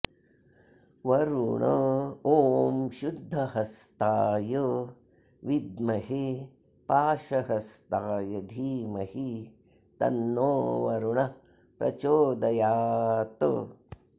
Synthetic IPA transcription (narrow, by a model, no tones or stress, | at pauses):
ʋɐɾuɳɐoːmʃud̪ʱːɐɦɐst̪aːjə | ʋid̪mɐɦi | paːʃɐɦɐst̪aːjɐd̪ʱiːmɐhi | t̪ɐ̰nːoːʋɐɾuɳɐ | pɾɐ̰t͡ʃoːd̪ɐjaːt̪ə̰